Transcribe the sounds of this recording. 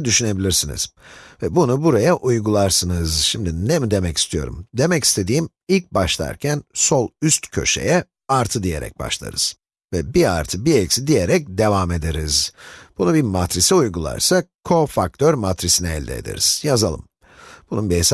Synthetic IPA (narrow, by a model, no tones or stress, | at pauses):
d̪yʃyne̞bilʲiɾsinḭz̥vɛbunubuɾajaʔujɡulˠaɾsɯnɯzʃimd̪inemid̪e̞mɛci̥st̪ʰijo̞̰ɾṵmd̪e̞mɛci̥st̪ʰe̞d̪iːm | ilʲc̚baʃlˠa̰ɾcʰænso̞lˠyst̪cʰø̞̰ʃe̞̰jɛ | aɾt̪ʰɯd̪ije̞̰ɾɛ̰c̚ba̰ʃlˠa̰ɾɯ̰z̥ | vɛbia̰ɾt̪ʰɯbiecʲsid̪ije̞ɾɛc̚d̪e̞vame̞d̪eɾizb̥unubimat̪ɾisiujɡulˠa̰ɾsakʰo̞fak̚t̪ʰøɾmat̪ɾisinɛɛlʲd̪ɛḛd̪ḛɾiz̥jazalˠɯ̰m | b̥ununbies